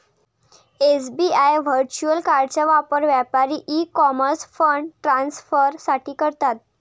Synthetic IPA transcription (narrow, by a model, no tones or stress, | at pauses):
esbiajʋ̤əɾt͡ɕuəlkaɾɖt͡ɕjaʋapəɾʋjapaɾiːʔikɔməɾsfəɳɖʈɾãnsfəɾsaʈʰiːkəɾt̪at̪̚